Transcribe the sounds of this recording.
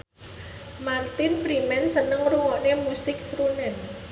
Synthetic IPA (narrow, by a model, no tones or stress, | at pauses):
mart̪ɪnfɾimɛnsənəŋruŋɔʔnemusɪk̚sɾunɛn